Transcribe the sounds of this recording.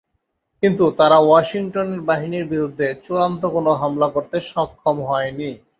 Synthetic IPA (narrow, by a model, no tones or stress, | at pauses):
kint̪̬ut̪aɾawaʃiŋʈoneɾbaɦiniɾbiɾud̪ʱːet͡ɕuɾant̪okonoɦamlakoɾt̪eʃɔkʰːomɦɔeni